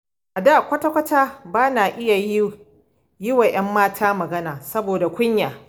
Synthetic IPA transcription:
ʔa˨daː˦˨kʷɐ˦tɐ˦kʷɐ˦taː˦baː˦naː˨ʔɪ˦ja˨ji˦ | jɪ˦wa˨j̰ɐ˦mːaː˦tʰaː˦mɐ˨ɡɐ˦naː˨sɐ˦boː˨da˨kʷʊ˦ɲjaː˨

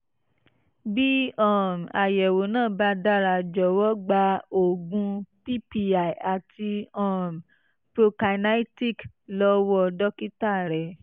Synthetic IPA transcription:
bi˦ɔ˦˨m˨a˨jɛ˨wo˨˦nãː˦˨ba˧˦da˦ɾa˧˨d͡ʒɔ˨˦wɔ˦ɡ͡ba˧o˨ɡũ˧pi˦pi˧a˨i˨a˨ti˧ɔ˦˨m˨ | pɾo˧ka˧na˦i˦ti˦˨k | lɔ˦wɔ˦˧dɔ˦ki˦ta˦˨ɾɛ˨

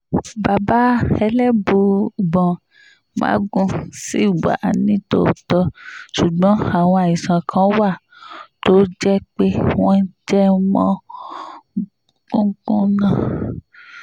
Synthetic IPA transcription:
ba˨ba˦ɛ˧lɛ˦˨bu˧˨bɔ̃˨ | mã̰˨˦ɡũ˦si˦˨wa̰˨nĩ˨˦to̰˦˨tɔ˧ʃu˨ɡ͡bɔ̃˨˦a˨w̃ɔ̃˧a˨i˨sã˨kʰã˨˦wa˦˨ | to˦d͡ʒɛ˦k͡pe˦w̃ɔ̃˦n̩˦d͡ʒɛ˦mɔ̃˦ | ũ˦kũ˦nã˨

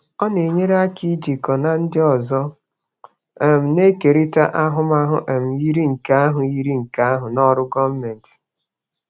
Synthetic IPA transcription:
ɔ˦ne˨ɲe˦ɾe˦a˦ki˦d͡ʒi˨kɔ˨na˨n̩˦dɪ˦ɔ˨zɔ˦ | e˨m̩˨ne˦ke˨ɾi˦ta̰˦ʔa˦ɦʊ˦m˦a˦ɦʊ̰˦ʔe˨m̩˨ji˦ɾi˦ŋ̩˨ka˦a˦ɦʊ˨ji˦ɾi˦ŋ̩˨ka˦a˦ɦʊ˨nɔ˦ɾʊ˦ɡɔ˦m̩˦me˨n̩˨tɪ̥˨

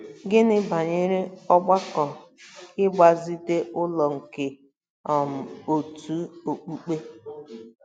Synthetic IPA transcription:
ɡɪ˦nɪ˦ba˨ɲɪ˦ɾɪ˦ɔ˦ɡ͡ba˦kɔ˨ɪ˦ɡ͡ba˨zi˦de˦ʔʊ˦lɔ˨ŋ̩˨ke˨ | ɔ˨m̩˨o˨tu˨˦o˨k͡pu˦k͡pe˦

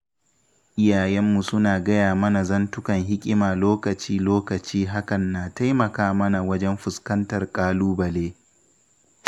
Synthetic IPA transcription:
ʔɪ˦jaː˨jɛ˦mːu˨sʊ˦naː˨ɡɐ˦jaː˨mɐ˦na˨zɐ˦ntʊ˦kɐ˨ŋɦɪ˦kʲʼɪ˦maː˨loː˦kɐ˨t͡ʃiː˦loː˦kɐ˨t͡ʃiː˦ɦa˦kɐ˨nːaː˨ta˦jmɐ˨kaː˦mɐ˦na˨wɐ˦d͡ʒɛ˦mɸʊ˨skɐ˦ntɐ˨rkʼaː˦luː˦bɐ˨leː˦

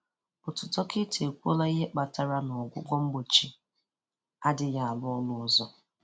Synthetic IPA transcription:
bʊ˨tʊ˨tɔ˦kɪ˦tʰe˨kʷo˦la˦i˦ɦe˦k͡pa˨ta˨ɾa˦nɔ˨ɡʷʊ˦ɡʷɔ˦m̩˦ɡ͡bo˨t͡ʃi˦ | a˦dɪ˨ja˦˨a˨lʊ˦ɔ˦lʊ˦zɔ˦

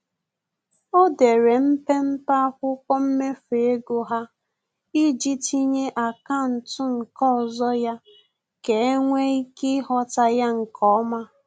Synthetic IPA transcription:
o˦de˨ɾe˨m̩˦pe˦m̩˦pa˦kʷʊ˦kʷɔ˦m̩˦me˦fe˨e˦ɡo˨ɦa˦ | i˦d͡ʒi˦ti˦ɲe˦ʔa˨ka˦˨n̩˨tʊ˦ŋ̩˨kɔ˦ɔ˨zɔ˦ja˦ | ke˨e˦ŋʷe˦i˦ki˦ɦɔ˨ta˨ja˦ŋ̩˨kʰɔ˦ma˦

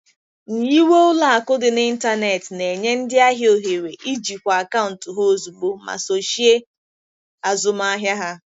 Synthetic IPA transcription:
n̩˨ji˦we˦ʊ˦la˨a˨kʊ˦dɪ˨ni˦n̩˦ta˦ne˨tne˨ɲe˦n̩˦dɪ˦a˦ɦjo˨ɦe˨ɾe˨ʔi˦d͡ʒi˨kʷa˨ka˦ʊ˨n̩˨tʊ˨ɦo˦o˦zu˨ɡ͡bo˦ma̰˨so˨ʃi˦e˦ | a˨zʊ˨m˦a˦ɦja˦ɦa˦

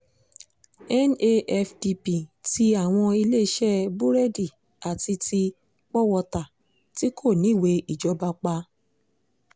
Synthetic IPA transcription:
ɛ˦ne˦ʔɛ˧fdi˧pi˨ti˧a˨w̃ɔ̃˧i˧le˦˧˦ʃɛ˦bu˦ɾɛ˦di˦˨ | a˨ti˧tʰi˧ | k͡pɔ˦wɔ˧˨ta˨ | ti˦kʰo˦˨nĩ˨˦˨we˧˦i˦˨d͡ʒɔ˧ba˧k͡pa˧

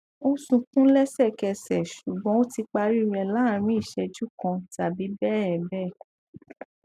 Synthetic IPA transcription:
o˦sũ˧kũ˦lɛ˦sɛ˦˨kɛ˧sɛ˨ʃu˨ɡ͡bɔ̃˨˦o˦ti˧k͡pa˧ɾi˦˨ɾɛ˧la˨˦˨ɾ̃ĩ˦i˦˨ʃɛ˧d͡ʒu˦kɔ̃˧ta˨bi˨˦bɛ˦˨ɛ˨bɛ˦˨

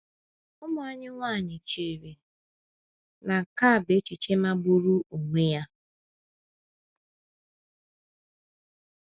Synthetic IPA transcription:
ʊ˦mʊ˨a˦ɲɪ˦ŋʷaː˦˨ɲɪ˨t͡ʃe˨ɾi˨ | na˨ka˦˨be˦t͡ʃi˨t͡ʃe˦ma˦bu˦ɾu˦u˨ŋʷe˦ja˦

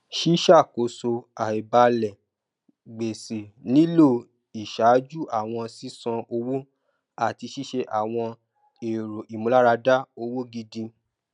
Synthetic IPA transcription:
ʃi˦ʃa˦˨ko˨˦so˧a˨i˨ba˧lɛ˨ | ɡ͡be˨se˨nĩ˦lo˦˨ | i˨ʃa˨˦d͡ʒu˦ʔa˦˨w̃ɔ̃˧si˦sɔ̃˧ʔo˧wo˦ | a˦˨ti˧ʃi˦ʃe˧ʔa˨w̃ɔ̃˧ | e˨ɾo˨ʔi˨mũ˨˦la˦ɾa˧da˦o˧wo˦ɡi˧dĩ˧

